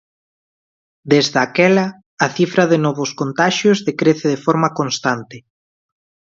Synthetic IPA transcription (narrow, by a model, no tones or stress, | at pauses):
d̪ezðakɛlɐː | θifɾaðenɔβʊskont̪aʃjozðekɾeθeðefɔɾmakonst̪ant̪ɪ